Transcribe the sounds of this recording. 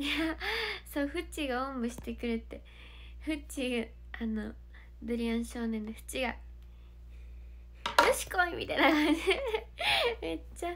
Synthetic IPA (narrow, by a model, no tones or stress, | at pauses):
jasoɸɯ̟t͡ɕiɡaõmbɯ̟ɕi̥t̪e̞kɯ̟ɾet̪e̞ | ɸɯ̟t͡ɕiɡa | ano | bɯ̟ɾʲiãɰ̃ɕo̞ːnẽ̞nd̪eɸɯ̥t͡ɕiɡa̰ | ɾɯɕi̥koimʲḭt̪ainakãnd͡ʑi | me̞t͡ɕːa